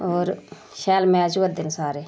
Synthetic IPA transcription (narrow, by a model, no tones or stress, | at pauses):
oːɾ | ʃɛːlmɛːzuːət̪̚d̪ɪnsaːɾeː